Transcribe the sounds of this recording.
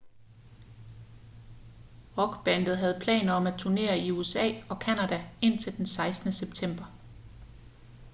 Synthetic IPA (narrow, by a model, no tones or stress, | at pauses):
ʁɒ̽ɡ̥b̥ænd̥ð̩ˠɦæð̞̩ˠpʰlɛ̰ːnɐɒ̽mæ̥t͡sʰuɐne̝̰ːɐiuesɛ̰ːɒ̽kʰænæd̥æe̝n̰t͡sʰe̝ld̥ensɑ̈ɪsd̥nəseb̥t͡sʰem̰b̥ɐ